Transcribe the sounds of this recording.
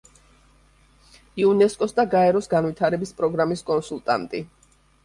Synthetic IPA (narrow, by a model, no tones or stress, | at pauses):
iunɛskʼɔsd̪aɡaɛɾɔsɡanvit̪ʰaɾɛbispʼɾɔɡɾamiskʼɔnsulˠt̪ʼa̰nt̪ʼi